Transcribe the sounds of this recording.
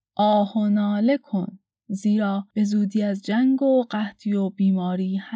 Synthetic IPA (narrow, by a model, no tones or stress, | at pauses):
ʔɒːhonɒːle̞kʰon | ziːɾɒːb̥e̞zuːd̪iːæzd͡ʒæŋɡoɢæht̪ʰijobiːmɒːɾiːhæ